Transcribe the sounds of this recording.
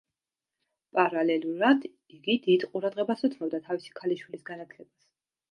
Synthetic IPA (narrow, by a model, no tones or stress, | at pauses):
pʼaɾalɛluɾad̪ | iɡid̪id̪qʼuɾad̪ʁɛbasut̪sʰnɔb̚d̪at̪ʰavisi̥kʰaliʃwilisɡanat̪ʰlɛbas